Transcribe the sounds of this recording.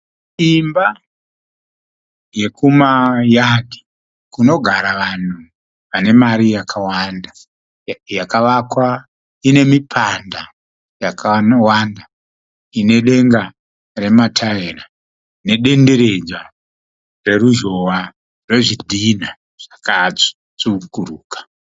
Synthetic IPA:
imba | je̞kʰumajadʱi̥ | kuno̞ɡʱaɾaʋan̤u | ʋane̞maɾijakʰawanda | jakaʋakwa | ine̞mipʰanda | jakʰawanda | ine̞ɗe̞ŋɡa | re̞matʰaera | ne̞ɗe̞nde̞ɾe̞d͡za | re̞ɾuʒo̞wa | re̞ʐidʱina | ʐ̥akad͡zi̥ | t͡sukuɾuːkḁ

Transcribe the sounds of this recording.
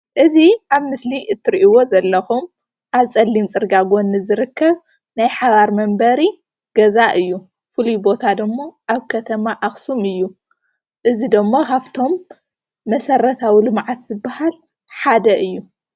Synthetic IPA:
ʔɨziʔaβmɨsliʔɨt̪ʰːɨɾiʔiwo̞zɐlːɐxum | ʔaβt͡sʼɐlːimt͡sʼɨɾɡaɡo̞nːɨzɨɾɨkʰːɐβ | najħaβaɾmɐmbɐɾi | ɡ̥ɐzaʔɨjːu | fɨlujbo̞t̪ʰad̪ɨmːoʔaβkʰɐt̪ʰɐmaʔaxsumɨjːu | ʔɨzid̪ɨmːokʰaβt̪ʰo̞mː | ɐsɐɾɐt̪ʰawilɨmʕat̪z̥ɨbːahal | ħad̪ɐʔɨjːu

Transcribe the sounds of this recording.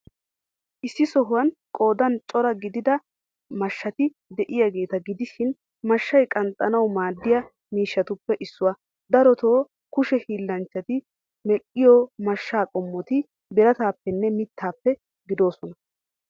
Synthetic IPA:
ʔɪsːɪsɔɦʊwɐnkʼo̞ːd̪ɐnt͡ʃʼɔɾɐɡɪd̪ɪd̪ɐ | mɐʃːɐt̪ɪ | d̪ɛʔɪjaɡe̞ːt̪ɐɡɪd̪ɪʃɪn | mɐʃːɐjkʼɐnt̪ʼːɐnɐwmaːd̪ːɪjɐ | miːʃːɐt̪ʊpːɛʔɪsːʊwa | d̪ɐɾɔt̪o̞ː | kʊʃɛhiːlːɐnt͡ʃːɐt̪ɪ | mɛʔɪjoːmɐʃːaːkʼɔmːɔt̪ɪ | bɪɾɐt̪aːpːɛnːɛmɪt̪ʰːaːpːɛ | ɡɪd̪o̞ːsɔnɐ

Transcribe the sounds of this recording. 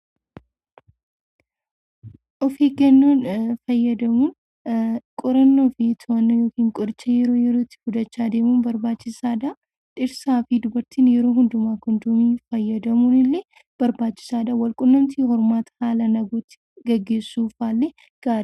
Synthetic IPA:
ʔɔfiːkɛnːoːnfɐjːɐd̪ɐmuːn | kʼɔɾɐnːofit̪ʰoɐnːojo̞ːkiːŋkʼɔɾɪt͡ʃːɐjɛɾo̞ːjɛɾoːt̪ːɪ̥fʊd̪ɐt͡ʃːaːd̪e̞ːmunbɐɾbaːt͡ʃːɪsaːd̪a | ᶑɪɾsaːfid̪ʊbɐɾt̪iːnjɛɾoːɦʊnd̪ʊmaːkʊnd̪umiːfɐjːɐd̪ɐmuːnɪlːe | b̥ɐɾbaːt͡ʃːɪ̥saːd̪ɐwɐlkʼʊnːɐmt̪iːhɔɾmaːt̪haːlɐnɐɡot̪ːɪ̥ɡɐɡːe̞ːsːuːfaːlːɛ | ɡ̥aːɾ

